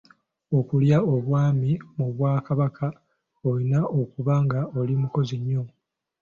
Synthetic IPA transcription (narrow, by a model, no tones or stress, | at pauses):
o̞kuljao̞βwaːmimuβwaːkaβakʰa | olinao̞kuβaŋɡao̞limuko̞ziɲːo̞